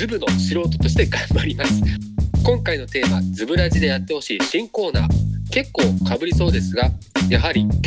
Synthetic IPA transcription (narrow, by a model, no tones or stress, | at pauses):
ɨbɯ̟no̞ɕiɾo̞ːt̪o̞t̪o̞ɕi̥t̪e̞ɡãmbaɾʲimasɨ̥kõ̞ŋkaino̞t̪e̞ːmad͡zɨbɯ̟ɾaʑid̪e̞jat̪ːe̞ho̞ɕiːɕĩŋko̞ːna̰ːke̞kːo̞ːkabɯ̟ɾʲiso̞ːd̪e̞sɨɡajaɦaɾʲi